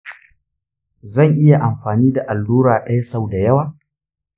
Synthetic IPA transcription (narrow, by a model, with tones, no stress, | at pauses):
zɐ˦˨ŋʔɪ˦ja˨ʔa˨mɸaː˨niː˦da˨ʔa˨lːuː˦ɾaː˨ɗɐ˦ja˦sa˦˨wda˨jɐ˦waː˨